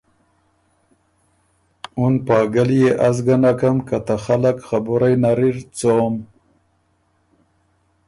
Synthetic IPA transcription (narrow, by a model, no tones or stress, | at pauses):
unpɑːɡaljeʔazɡanakamkat̪axalakxabuɾajnaɾiɾt͡som